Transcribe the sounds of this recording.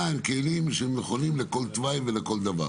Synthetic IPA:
aimkelimʃeemneχonimleko̞lt̪vajveleko̞ld̪ava̰

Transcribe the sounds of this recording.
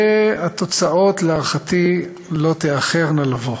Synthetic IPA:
eat̪o̞t͡sao̞t̪laaʁχat̪i | lo̞t̪eaχeʁnalavo

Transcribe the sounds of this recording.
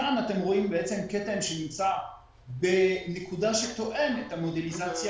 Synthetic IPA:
anat̪emʁo̞imbeet͡semket̪emʃenimt͡sa | benekud̪aʃet̪o̞ʔemet̪amod̪elizat͡sja

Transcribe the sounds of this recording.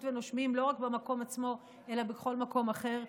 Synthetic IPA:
tveno̞ʃmimlo̞ʁakbemako̞mat͡smo̞ | e̞labeχo̞lmako̞maχe̞ʁ

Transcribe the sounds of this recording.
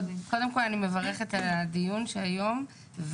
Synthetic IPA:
dko̞demko̞lanime̞vaʁeχetalad̪ijunʃeajo̞m | v

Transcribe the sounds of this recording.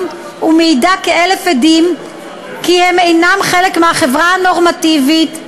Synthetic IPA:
umejdakeelefedim | kihemejnamχelekmehaχevʁaano̞ʁmativit

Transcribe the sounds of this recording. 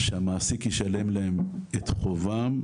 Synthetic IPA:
ʃehamaːsikjeʃale̞mlaemet̪χovam

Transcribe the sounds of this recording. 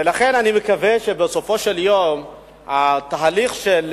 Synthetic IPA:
elaχe̞nanimekaveʃebeso̞fo̞ʃeljom | at̪aɦaliχʃel

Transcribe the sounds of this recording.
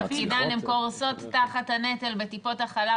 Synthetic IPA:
kidalimko̞ʁso̞t̪ːaχathanetelbe̞tipo̞taχala

